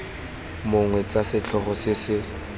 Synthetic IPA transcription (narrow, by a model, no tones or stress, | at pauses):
mʊŋwɛt͡sasɪt͡ɬʰɔχɔsɪsɪ